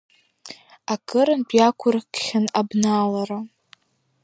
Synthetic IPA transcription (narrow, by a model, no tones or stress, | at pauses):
akʼɨɾɨnbʼjakʷʰʊrkχʲɪanabnalara